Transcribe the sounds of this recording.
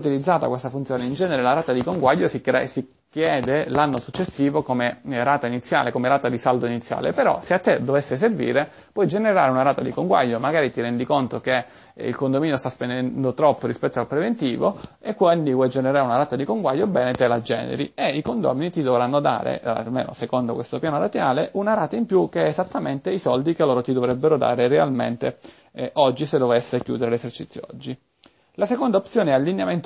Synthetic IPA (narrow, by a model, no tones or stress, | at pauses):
ut̪ilid̪zaːt̪akwest̪afunt̪sjoːneind͡ʒɛːneɾelaɾaːt̪ad̪ikoŋɡwaʎːosiɛ̰si | kjɛːd̪elanːosut͡ʃːesːiːvokomeɾaːt̪ainit̪sːja̰ːlekomeɾaːt̪ad̪isald̪oinit̪sːja̰ːlḛpeɾɔ̰seat̪ːed̪ovesːeservḭːɾe | pwɔjd͡ʒeneɾaːɾeunaɾaːt̪ad̪ikoŋɡwa̰ʎːomaɡaːɾit̪iɾɛnd̪ikont̪oke | ḭlkond̪omiːnjost̪aspend̪ɛnd̪ot̪ɾɔpːoɾispɛt̪ːoalpɾevent̪ḭːvo̰ | ekːwɛnd̪ikɛd͡ʒeneɾaːɾunaɾaːt̪ad̪ikoŋɡwajːobɛːnet̪ɛlad͡ʒɛ̰ːnḛɾḭeikond̪ɔ̰ːminit̪id̪ovɾanːod̪a̰ːɾḛa̰lmḛːno̰sekond̪okwest̪opjaːnoɾat̪jaːleʔunaɾaːt̪aimpjuk̟ːeɛːzat̪ːament̪eisɔld̪ikelːoːɾot̪id̪ovɾɛbːeɾod̪a̰ːɾerea̰lmḛnt̪e | ʔɔd͡ʒːised̪ovesːekjṵːd̪eɾelesert͡ʃḭt̪sːjoɔ̰d͡ʒːi | lasekond̪aop̪sjoːneɛalːinjament̪